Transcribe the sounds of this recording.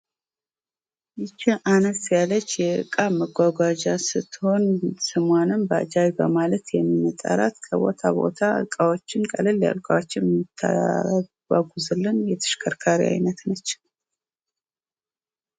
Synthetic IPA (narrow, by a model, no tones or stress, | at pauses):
ʔɨt͡ʃːiʔanəsjalət͡ʃːjɛɨ̰kʼaməɡʷaɡʷad͡ʒasɨt̪ʰːɨho̞nsɨmanɨnbəa̰d͡ʒajbəmalət̪jɛmːimət̪ʼa̰ɾa̰t̪kʰəbo̞̰t̪ʰabo̞̰t̪ʰaɨ̰kʼawo̞t͡ʃːɪnkʼəlɨlːja̰lkʼawot͡ʃːjɛmt̪ʰːa̰̥ | a̰ɡuzɨlːɨnjɛt̪ʰɨ̥ʃkʰəɾkʰaɾḭa̰jnət̪nət͡ʃː